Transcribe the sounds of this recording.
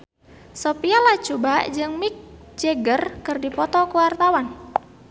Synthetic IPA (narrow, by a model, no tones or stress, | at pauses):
sopialat͡ʃubad͡ʒɨŋmik̚ | d͡ʒeɡərkɨrdipɔt̪ɔkuwart̪awan